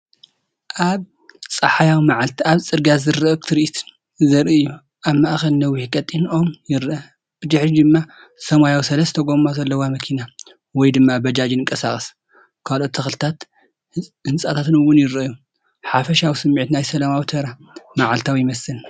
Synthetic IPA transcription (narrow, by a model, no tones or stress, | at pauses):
ʔaβ | t͡sʼɐħajawmaʕalt̪ʰiaβt͡sʼɨɾɡazɨɾɐɐkt̪ʰɨɾɨit̪ʰ | zɐɾɨjːu | ʔaβmaʔxɐlnɐwihkʼɐt̪ʼːino̞mjɪɾʔɐ | b̥ɨd̪ɨħɾid̪ɨmːa | sɐmajawsɐlɐst̪ʰɐɡo̞mazɐlːɐwamɐkʰina | wɔjd̪ɨmːabɐd͡ʒad͡ʒɨnɨŋkʼɐsaχʼɐs | kʰalʔo̞t̪tʰːɐxlɨt̪ʰat̪ | hɨnsʼat̪ʰat̪ɨnɨwːʊnjɪɾɐju | ħafɐʃawisɨmːiʕt̪najsɐlamawt̪ʰɐɾa | maʕalt̪ʰawjɪmɐsɨl